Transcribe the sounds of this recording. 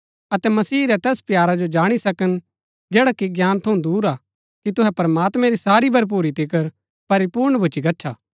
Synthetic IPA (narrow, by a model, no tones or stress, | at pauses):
ɐt̪ɛmɐsiːɾɛt̪ɛːspjaːɾad͡ʒod͡ʒaːɽ̃isɐkən | d͡ʒɛːɽakiɡjaːnt̪ʰɐũd̪uːɾa | kit̪ʊɦɛpɐɾɐmaːt̪mɛ̃ɾisaːɾibʱɐɾp̬uːɾit̪ɪkəɾ | pɐɾipuːɾɳbʱʊt͡ʃikɐtːʃʰaː